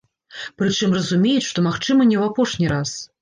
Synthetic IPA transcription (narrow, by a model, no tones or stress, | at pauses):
pɾɨt͡ʂɨmrɐzumʲejɛt͡sʲʂt̪ɔmaxt͡ʂɨmɐnʲɛwapɔʂnʲiɾas